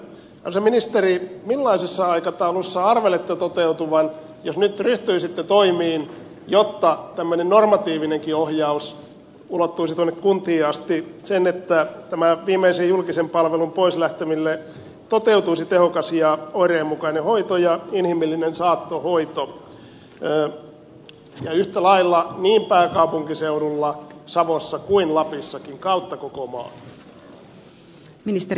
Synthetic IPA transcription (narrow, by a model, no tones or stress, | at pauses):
ɑ̰seminist̪erimilːɑisesːɑɑikɑt̪ɑulusːɑɑrʋelet̪ːæt̪ot̪eut̪uʋɑn | josnyt̪ryht̪yisit̪ːet̪oimiːn | jot̪ːɑt̪æmːønennormɑt̪iːʋineŋkiohjɑus | ulot̪ːuisit̪uonːekkunt̪iːɑst̪isenet̪ːæt̪æmæʋiːmˑeisejjulkisempɑlʋelumpoislæht̪emilːe | t̪ot̪eut̪uisit̪ehokɑsjɑoireːmːukɑinehoit̪ojɑinhimilːinensɑːt̪ːohoit̪o | jɑyht̪ælɑilːɑniːmpæːkɑupuŋkiseuɾulːɑsɑʋosːɑkuinlɑpisːɑkiŋkɑut̪ːɑkokomɑ̰ː | mnist̪e